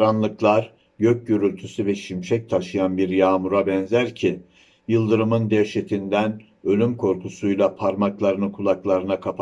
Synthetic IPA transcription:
ɾanlˠɯklˠaɾ | ɟøc̚ɟøɾylʲt̪ʰysyvɛʃimʃɛc̚t̪ʰaʃɯjanbiɾjaːmuɾabɛnzæɾcʰi | jɯlˠd̪ɯɾɯmɯnd̪ɛɾʃet̪ʰind̪æn | ø̞lʲymkʰo̞ɾkʰusujlˠapʰaɾmaklˠaɾɯnɯkʰulˠaklˠaɾɯnakʰap

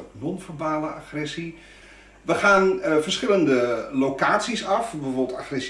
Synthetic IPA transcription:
nɔnfərbaːləaxrɛsi | ʋəχaːnfərsχɪləndəlokaːtsisɑfbəvobl̩ˠtaxrɛs

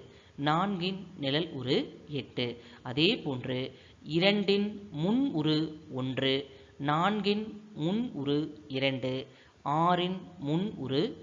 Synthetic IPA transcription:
naːnɡɪnnɪlɐlʔʊ̰ɾɯɛʈːɯɐðeːpoːndrɯ | ɪɾɐɳɖɪnmʊnʊɾɯɔndrɯ | naːnɡɪnmʊnʊɾɯɪɾɐɳɖɯ | ʔaːɾɪnmʊnʊ̰ɾɯ

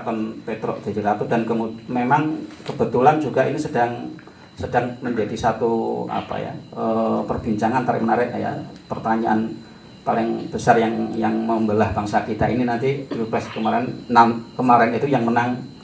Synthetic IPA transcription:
t̪ɔnpet̪ɾɔ̰ʔd̪̥ad͡ʒilat̪ʊdankəmumemaŋkəbət̪uland͡ʒuɡaʔinisədaŋ | sədaŋməɲd͡ʒadisat̪ua̰pa̰ja̰əpərb̥iɲt͡ʃaŋant̪aɾɪ̰ʔmənaɾɪʔja̰pərt̪aɲaʔan | palɪŋb̥əsarjaŋjaŋməmbəlahb̥aŋsakit̪aʔininant̪iɾupɛskəmaɾɛnnankəmaɾɛnit̪ujaŋmənaŋ

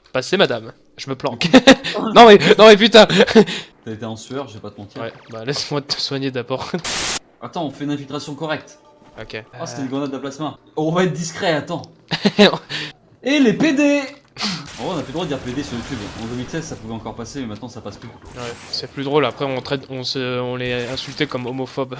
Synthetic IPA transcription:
pasɛmad̪am | ʒəməplɑ̃knɔ̃mɛnɔ̃mɛp̬yt̪a | t̪yaet̪eɑ̃sɥœʁʒəvepat̪əmɑ̃t̪iʁwɛ | balɛsmwad̪ət̪ə̥swaɲed̪abɔʁ | at̪ɑ̃ɔ̃fɛynɛ̃filt̪χasjɔ̃kɔʁɛk̚t̪ | ɔkʲẽset̪ɛynɡʁɑ̃nad̪d̪əplasmɑ̃ | ɔ̃vaɛt̪̚d̪iskχɛat̪ɑ̃ | eleped̪e | ɑ̃fɛ̃ɔ̃naplyd̪wad̪əd̪iʁped̪esyʁjut̪ybɑ̃d̪əmilsɛzsapuvɛɑ̃kɔʁpasemɛmɛ̃t̪nɑ̃sapasplykuwɛsɛplyd̪ʁolapχɛɔ̃t̪χɛt̪ɔ̃səɔ̃lɛɛ̃sylt̪ekɔmɔmɔfɔb

